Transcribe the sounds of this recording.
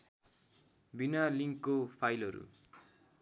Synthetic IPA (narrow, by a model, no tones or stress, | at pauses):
binaliŋːopʰajlʌɾṵ